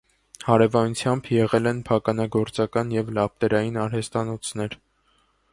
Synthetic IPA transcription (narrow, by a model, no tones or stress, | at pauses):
hɑɾɛvɑnut͡sʰjɑmbjɛʁɛlɛnpʰɑkɑnɑɡɔɾt͡sɑkɑnjɛvlɑp̚t̪ɛɾɑjinɑɾhɛst̪ɑnɔt͡sʰnɛɾ